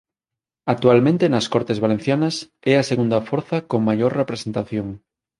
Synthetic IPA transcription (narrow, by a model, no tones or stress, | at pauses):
ak̚t̪ualmẽnt̪enaskoɾt̪ezβalen̟θjanas | easeɣund̪afoɾθakoŋmaʝoɾrepɾesẽnt̪aθjoŋ